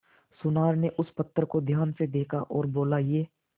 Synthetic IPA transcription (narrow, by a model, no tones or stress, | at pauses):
sʊnaːɾneʔʊspɐt̪ːɾəkod̪ʱjaːnsed̪eːkʰa̰ʔɔːɾboːlajeː